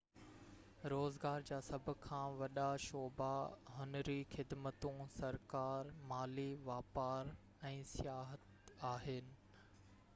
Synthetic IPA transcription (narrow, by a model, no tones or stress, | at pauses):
ɾoːzɡaːɾd͡ʑaːsɐbʱʊ̆kʰãːʋɐɗaʃoːbaɦʊnɾixɪd̪mət̪ũsɐɾkaːɾmaːliʋaːpaːɾ | ɛ̃ːsɪjaːɦət̪ | aːɦɪnɪ̆